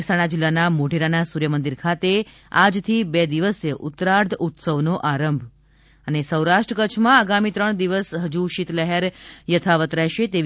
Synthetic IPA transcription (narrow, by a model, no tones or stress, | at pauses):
saɽ̃ad͡ʒilːanamoɖ̤ʱiɾanasuɾjəmənd̪iɾkʰat̪e | a̰d͡ʒt̪ʰibɛd̪iʋəsjəʔʊt̪ɾaɾd̪ut̪səʋnoʔaɾəmbʱ | ənesəwɾaʃʈɾəkət͡ʃʰmãaɡamit̪ɾəɳ̃d̪iʋəsɦəd͡ʒuʃit̪lɛɦeɾjət̪ʰaʋət̪ɾɛɦʃet̪e